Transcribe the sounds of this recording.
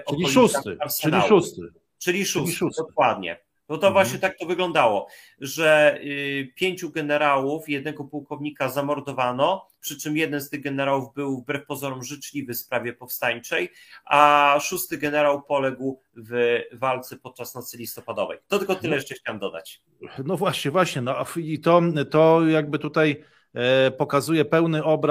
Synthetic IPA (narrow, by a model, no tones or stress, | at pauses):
ɔɔlʲiusat̪aɾsɛniaust̪ | t͡ʂɘlʲiʂusd̪ɔkwad̪̚ɲɛ̰ | b̥ɔt̪ɔvwaɕɲɛt̪ak̚t̪ɔvɘɡlɔnd̪awɔ | ʐɛ | pʲjeɲt͡ɕuɡɛnɛɾawufjɛd̪̚nɛɡɔpuwkɔvɲikazamɔɾd̪ɔvanɔpʂɘt͡ʂɘmjɛd̪ɛnst̪ɘɣɡɛnɛɾawuvbɘwvbɾɛfpɔzɔɾumʐɘt͡ʂlʲivɘspɾavʲjɛpɔfst̪aɲt͡ʂɛjʔaʂust̪ɘɡɛnɛɾawpɔlɛɡw | vvalt̪sɛpɔt̪̚t͡ʂasnɔt̪sɘlʲist̪ɔpad̪ɔvɛ̰jt̪ɔt̪ɛkɔt̪ɘlɛjɛʂt͡ʂɛxt͡ɕawamd̪ɔd̪a̰t͡ɕ | nɔvwaɕɲɛvwaɕɲɛnɔafit̪ɔt̪ɔjaɡ̚bɘt̪ut̪aj | pɔkazujɛpɛwnɘʔɔbɾ